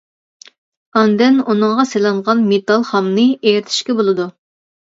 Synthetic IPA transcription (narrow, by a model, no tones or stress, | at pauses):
ɑnd̪ɛnunɨŋʁɑselˠɑɴʁɑnmet̪ɑlˠχɑmnɨeɾt̪ʰɪ̥ʃkʲɛbolˠɨd̪u